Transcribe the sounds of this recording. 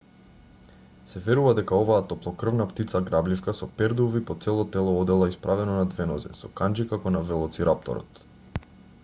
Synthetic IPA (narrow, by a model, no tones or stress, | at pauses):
sɛvɛɾuvad̪ɛkaɔvaːt̪ɔplˠɔkr̩vnapt̪it̪saɡɾablifkasɔpɛɾd̪uvipɔt̪sɛlˠɔt̪ɛlˠɔɔd̪ɛlˠaispɾʔavɛnɔnad̪vɛnɔzɛ̰sɔkand͡ʒikakɔnavɛlˠɔt̪siɾʔap̚t̪ɔ̰ɾɔ̰t̪